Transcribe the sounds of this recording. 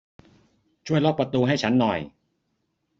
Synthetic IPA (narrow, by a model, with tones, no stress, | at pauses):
t͡ɕʰu˥˩əjlo˥˩pɾa˧t̪uː˧ɦa˥˩jt͡ɕʰa˦˥nːɔ̰˨˩j